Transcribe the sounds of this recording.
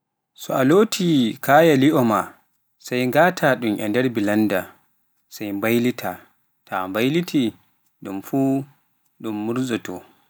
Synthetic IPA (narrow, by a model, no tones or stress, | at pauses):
sɔaloːtʰikʰaːjaliʔɔma | sajŋɡaːtʰaɗumʔɛndɛɾbilanda | sajmbajlitʰa | tʰambajlitʰi | ɗumfuː | ɗumːuɾzɔtɔ̰